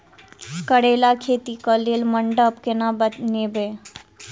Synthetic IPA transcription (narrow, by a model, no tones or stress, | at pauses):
kəɽelakʰeːt̪ikəlelməɳɖəpkenabənebe